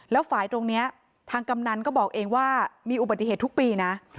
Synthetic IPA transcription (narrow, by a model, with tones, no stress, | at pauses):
lɛː˦˥wfaː˨˩˦jt̪o˧ŋni˦˥ɐ | t̪ʰaː˧ŋka˧mna˧nkɔː˥˩bɔː˨˩k̚ʔeː˧ŋwaː˥˩miː˧ʔu˨˩ba˨˩i˧ɦeː˨˩t̪ːʰu˥k̚piː˧na˦˥ʔ